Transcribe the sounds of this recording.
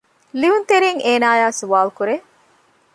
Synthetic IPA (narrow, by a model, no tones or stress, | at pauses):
liunt̪eɾiŋeːnaːjaːsuʋaːlukuɾe